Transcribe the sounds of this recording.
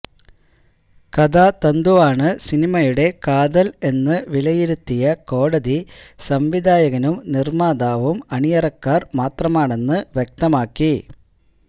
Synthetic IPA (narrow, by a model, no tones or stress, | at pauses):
kɐd̪aːt̪ɐnd̪uʋaːɳɨsinimɐjuɽe̞kaːðɐle̞nːɨʋilɐjiɾut̪ːijɐko̞ːɽɐðisɐmʋid̪aːjɐɣɐnumnirmaːd̪aːʋumɐɳijɐrɐkːaːrmaːt̪rɐmaːɳe̞nːɨʋjek̚t̪ɐmaːkːi